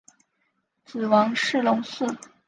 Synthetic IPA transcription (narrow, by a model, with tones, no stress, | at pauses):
t͡sɹ̩˨˩wɑ˧˥ŋʂɻ̩˥˩lʊ˧˥ŋsɹ̩˥˩